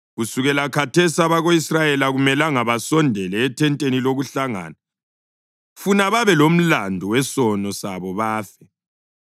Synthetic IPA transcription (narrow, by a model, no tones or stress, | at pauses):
ɣusuɣɛlakʰatʰesiaβaɣoisrajɛlaɣumɛlaŋaβasɔndʱɛlɛːtʰɛntʼeniloɣuɬaŋa̰ːna | funaβaβɛlom̩landʱuwɛsɔnɔsaβɔβaːfɛ